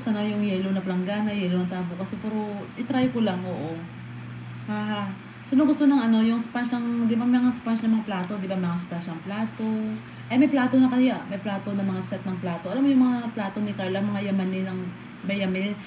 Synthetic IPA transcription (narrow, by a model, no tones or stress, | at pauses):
sanɐjʊŋjɛːlonɐplɐŋɡanɐjɛːlonɐt̪aːbokɐsɛpuɾoʔɪt̪ɾajkolaŋʔoːʔo̞ | haːha | sɪnoɡʊst̪onɐŋɐno̞jʊŋspanʃnɐŋd̪ɪbamɛɐŋaspanʃnɐmɐŋaplaːt̪o̞d̪ɪbamɛŋaspanʃnɐŋplaːt̪o̞ | ʔɐjmɐjplaːt̪onɐkɐjamɐjplaːt̪o̞nɐmɐŋasɛt̪̚nɐŋplaːt̪o̞ʔɐlaːmojʊŋmɐŋaaaplaːt̪onɪkaɹlamɐŋajɐmanɪnɐŋ | mɐjɐmɛn